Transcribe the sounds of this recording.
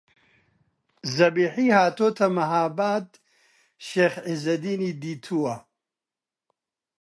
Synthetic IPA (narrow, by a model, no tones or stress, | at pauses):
zɐbiːħiːhaːt̪ʰoːt̪ʰɐmɐɦaːbaːd̪ | ʃeːxʕizɐd̪iːniːd̪iːt̪ʰuwɐ